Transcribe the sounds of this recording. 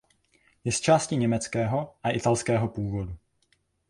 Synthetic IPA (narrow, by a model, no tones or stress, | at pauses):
jɛst͡ʃaːscɪɲɛmɛt͡skɛːɦo̞ʔaʔɪt̪alskɛːɦo̞puːvo̞du